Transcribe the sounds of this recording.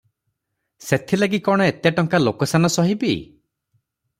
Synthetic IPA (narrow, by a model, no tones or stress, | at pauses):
set̪ʰilaɡikɔɽ̃ɔet̪jaʈɔŋkalokɔsanɔsɔɦibḭ